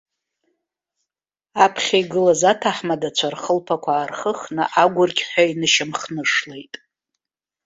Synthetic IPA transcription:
apʰχʲaiɡɨlazatʰaħmadat͡ɕʷʰarχəlpʰakʷʰaːrχəχnɨ̰ʔaɡʷʊrɡʲħʷᶣainɨʃamχnɨʂlejtʼ

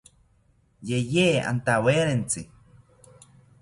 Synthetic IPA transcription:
jejea̰nt̪aweɾent͡si

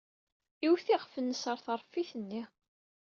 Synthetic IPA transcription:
iwθiʁfənːəsəɾˤθəɾˤfiθənːi

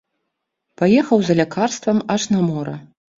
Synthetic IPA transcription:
pajɛxɐwzɐlʲakʰarst̪vɐmɐʂnɐmɔɾɐ̰

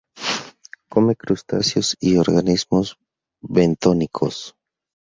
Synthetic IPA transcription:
komekɾust̪a̰sjosioɾɣanizmoz | βent̪onikʰo̰s

